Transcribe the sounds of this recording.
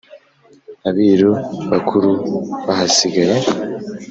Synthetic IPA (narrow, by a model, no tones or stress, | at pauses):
aβiːɾuβakʰuɾuβahasiɡaɾe